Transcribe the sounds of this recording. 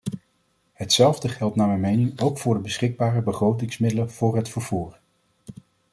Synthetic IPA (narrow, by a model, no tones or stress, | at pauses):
ɦətsɛlˠvdəχɛlˠtnaːmɛjmejnɪŋowkfʊːɹdəbəsχɪɡ̚baːrəbəχrowtɪŋsmɪdələv̥ʊːɹɦətfəɹv̥uːɹ